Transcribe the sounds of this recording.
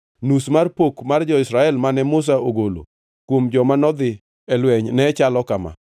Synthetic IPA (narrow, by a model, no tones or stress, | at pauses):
nusmarpokmard͡ʒɔɪsɾaɛlmanɛmʊs̬aoɡolo̰ | kwomd͡ʒɔmanɔd̪ɪ | ɛlwɛɲnɛt͡ʃalɔkama̰